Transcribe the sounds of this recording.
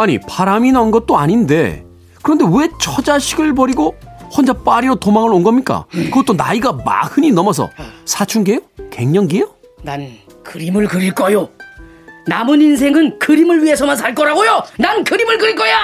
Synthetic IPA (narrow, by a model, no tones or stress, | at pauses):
aɲḭpaɾaminaunɡʌt̚t͈oaɲinde̞ | kɯɾʌnde̞we̞t͡ɕʰʌd͡ʑaɕʰiɡɯɭpʌɾiɡohwʌnd͡ʑap͈aɾiɾotomaŋɯɾonɡʌmɲik͈a̰kɯɡʌt͈ona̰iɡama̰hɯɲinʌmʌs̬ʰʌ̰sʰat͡ɕʰuŋɡejoke̞ŋɲʌŋɡejo | nan | kɯɾimɯɭkɯɾiɭk͈ʌjo | namɯnins̬ʰe̞ŋɯnkɯɾimɯɭɥie̞sʰʌmans̬ʰaɭk͈ʌɾaɡojonankɯɾimɯɭkɯɾiɭk͈ʌja